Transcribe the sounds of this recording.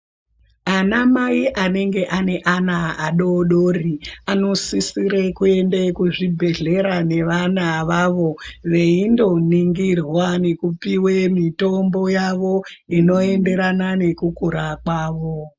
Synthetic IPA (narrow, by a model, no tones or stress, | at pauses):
anamaiʔane̞ŋɡe̞ʔane̞ʔanaːɗoɗoːriano̞sisiɾekue̞ndekuʐibʱe̞ɮe̞ɾane̞ʋanaʋaːʋo̞ʋe̞indo̞niŋɡirwane̞kupiwemito̞mbo̞jaʋo̞ino̞e̞nde̞ɾanane̞kukuɾakwaːʋo